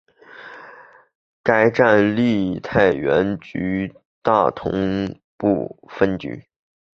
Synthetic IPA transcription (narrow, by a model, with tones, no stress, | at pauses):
ka˥ɪʈ͡ʂa˥˧nli˥˧t̪ʰa˥˩ɪɥɛ˧˥nt͡ɕy˧˥ | t̪a˥˩t̪ʰʊ̰˧˥ŋ | pu˥˧˩fə˥nt͡ɕy̰˧˥